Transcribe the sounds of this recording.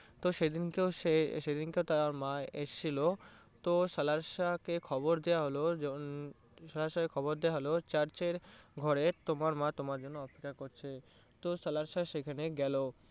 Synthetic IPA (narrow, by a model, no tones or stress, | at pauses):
t̪oʃed̪inkeʃeʃed̪inkeot̪aaɾmaeʔeʃʰilo | t̪oʃəlaɾʃakekʰɔboɾd̪ejaɦolod͡ʑ | ʃalaɾʃakekʰɔboɾd̪ejaɦolot͡ɕaɾt͡ɕeɾɡʱɔɾet̪omaɾmat̪omaɾd͡ʑonːoɔpe̥kːaɾkoɾt͡ɕʰe | t̪osəlaɾʃaʃekʰaneɡɛlo